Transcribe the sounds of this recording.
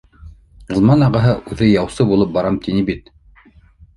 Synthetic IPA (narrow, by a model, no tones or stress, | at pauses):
ɤ̆lˠmɑnɑʁɑɦɤʔʉðɘjɑwsɤbulˠɤp̚bɑɾɑmt̪inibit̪